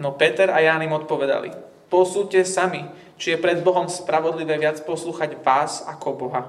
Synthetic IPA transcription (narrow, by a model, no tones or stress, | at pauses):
nɔpɛt̪ɛɾajaːnimɔt̪̚pɔʋɛd̪a̰lḭ | pɔsuːcɛsami | t͡ʃijɛpɾɛd̪bɔɦɔmspɾaʋɔd̪liʋɛːʋɪat͡spɔsluːxaɟʋaːzakɔbɔɦa